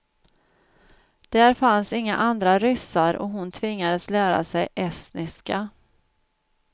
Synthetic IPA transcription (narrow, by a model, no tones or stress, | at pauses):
d̪̥æːɾfansɪŋːa̰ʔand̪ɾaɾʏsaɾɔ̰ɦʊnt̪ʰvɪŋːad̪əslæːɾa̰sɛjʔɛst̪nɪska